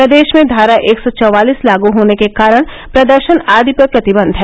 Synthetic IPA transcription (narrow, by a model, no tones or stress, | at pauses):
pɾɐd̪eːʃmẽd̪ʱaːɾaʔeːksɔt͡ʃɔʋaːliːslaːɡuɦoːnekekaːɾəɽ̃ | pɾɐd̪əɾʃənaːd̪ʱipəpɾɐt̪ɪbə̃nd̪ʱɦɛː